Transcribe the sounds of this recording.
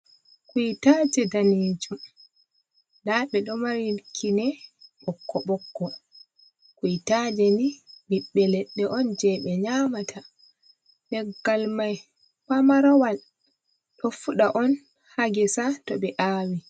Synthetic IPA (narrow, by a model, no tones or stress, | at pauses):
kutad͡ʒɛdaniːd͡ʒum | daɓɛɗɔmaɾikʰinɛɓɔkːɔɓɔkːɔ | kujtad͡ʒɛniɗiɓːɛlɛɗːɛʔɔnd͡ʒɛɓɛɲaːmatʰa | dɛɡːalmaj | famaɾɔwal | ɗɔfuɗaʔɔn | haɡɛsatɔɓɛʔaːwi